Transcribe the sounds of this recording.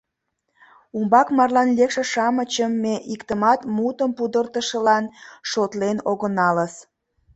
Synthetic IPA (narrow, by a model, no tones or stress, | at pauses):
umbɑkmɑrlɑnlʲekʃeʃɑmət͡ɕəmːeʔikt̪əmɑt̪mut̪əmpud̪ərt̪əʃəlɑnʃot̪lenoɣənɑləs